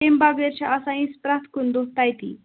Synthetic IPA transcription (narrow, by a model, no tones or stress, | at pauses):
embabeɾt͡ɕaʔasaĩspɾat̪ʰkund̪ot̪ajt̪ḭː